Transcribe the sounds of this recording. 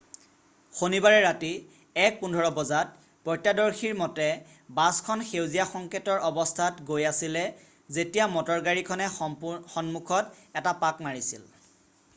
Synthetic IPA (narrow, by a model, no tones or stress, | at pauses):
xonibaɹɛɹati | ɛk̚pundʱɔɹɔbɔzat̚ | pɔjtadɔɹxiɹmɔtɛ | baskʰɔnxewzijaxɔŋketɔɹɔbɔstʰatɡojasilɛ | zetijamɔtɔɹɡaɹikʰɔnɛxɔnmukʰɔt | ɛtapakmaɹisḭl